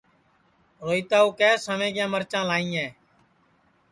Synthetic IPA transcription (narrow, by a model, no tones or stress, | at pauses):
ɾoːiːt̪aːuːkɛːsəʋẽːɡjãːməɾt͡ʃãːlaːĩːɛː